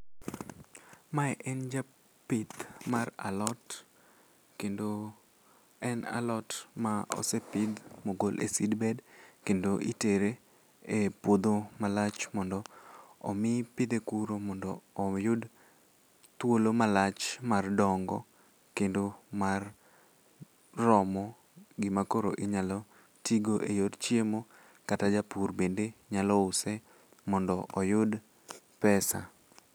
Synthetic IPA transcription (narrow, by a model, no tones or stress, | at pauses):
maɛʔɛnd͡ʒa | pɪt̪mara̰lɔt | kendo | ɛna̰lɔtmaɔ̰sepɪd̪moɡolʔḛsidbɛdkendoʔiteɾe | epwod̪omalat͡ʃmɔndɔɔ̰mɪpɪd̪ekuɾomɔndɔːjʊd | t̪wolomalat͡ʃmardɔŋɡɔ̰ | kendomar | rɔmɔ | ɡɪmakoɾoʔiɲalɔ | tiɡoʔejodt͡ʃjemo | katad͡ʒapurbendeɲalɔʊsɛ | mɔndɔʔɔjʊd | pɛsa̰